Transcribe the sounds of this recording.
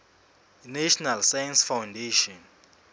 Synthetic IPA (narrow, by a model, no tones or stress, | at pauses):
nɛʃɔnalsajansfawndeʃɔn